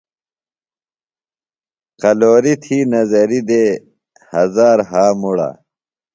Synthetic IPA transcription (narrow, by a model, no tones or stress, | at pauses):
qɐloːɾit̪ʰiːnɐzɐɾid̪e | hɐzaːɾɦaːmuɽa̰